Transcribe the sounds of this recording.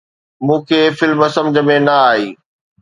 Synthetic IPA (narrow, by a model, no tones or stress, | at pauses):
mũːkʰeːfɪlmɐsɐ̃md͡ʑəmẽnɐaːɦiː